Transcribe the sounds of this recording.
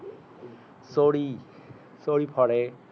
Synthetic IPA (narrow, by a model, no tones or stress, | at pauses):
soɽi | soɽipʰɔɽe